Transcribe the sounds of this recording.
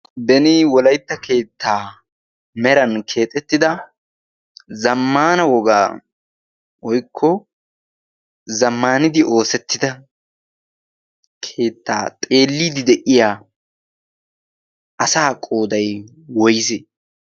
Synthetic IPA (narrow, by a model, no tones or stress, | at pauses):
bɛnɪwɔlɐjt̪ːɐke̞ːt̪ʰːaː | mɛɾɐnkʰe̞ːt̪ʼːɛt̪ːɪd̪ɐ | zɐmːaːnɐwɔɡaː | wɔjkʰːɔ | zɐmːaːnɪd̪ɪʔo̞ːsɛt̪ːɪd̪ɐ | kʰe̞ːt̪ːa̰ːt̪ʼe̞ːlːiːd̪ɪd̪ɛʔɪjaː | ʔɐsaːkʼo̞ːd̪ɐj | wɔjsɛ